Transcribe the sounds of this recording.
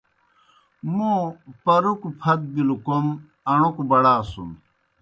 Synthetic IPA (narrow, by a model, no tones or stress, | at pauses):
mupɐɾukupʰɐt̪̚bilukom | ɐɳ̃ukubɐɽaːsum